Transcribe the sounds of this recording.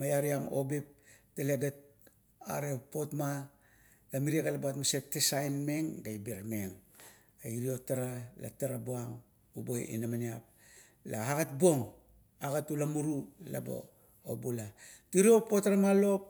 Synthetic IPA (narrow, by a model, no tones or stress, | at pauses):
majaɾiamo̰bip̚taleɡat̚ | a̰ɾepo̞tma | lamiɾiekalaboatmasetːesajnme̞ŋɡajbeɾmeŋ | aiɾio̞taɾala̰taɾabuaŋ | ubojḭnamaniap̚ | laaɡat̚bo̞ŋ | aɡatulamuɾula̰bo̰ | obulatiɾio̞po̞taɾamalo̞p̚